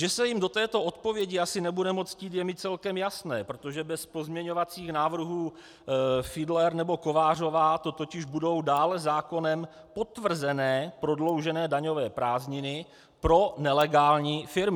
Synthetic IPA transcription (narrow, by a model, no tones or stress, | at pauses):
ʒɛsɛjɪmdo̞t̪ɛːt̪o̞ʔot̪po̞vjɛɟɪasɪnɛbudɛmo̞t͡sciːt̪jɛmiːt̪̚t͡sɛlkɛmjasnɛːpɾot̪o̞ʒɛbɛspo̞zmɲɛɲo̞vat͡siːxnaːvr̩ɦuː | fɪdlɛɾnɛbo̞ko̞vaːr̝o̞vaːt̪o̞t̪ocɪʒbudo̞wdaːlɛzaːko̞nɛm | po̞t̪vr̩zɛnɛːpɾo̞dlo̞wʒɛnɛːdaɲo̞vɛːpɾaːzɲɪnɪ | pɾo̞nɛlɛɡaːlɲiːfɪɾmɪ